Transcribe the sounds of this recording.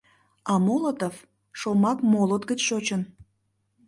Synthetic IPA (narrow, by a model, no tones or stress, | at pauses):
ɑmolət̪of | ʃomɑkmolət̪ɡət͡ɕʃot͡ɕən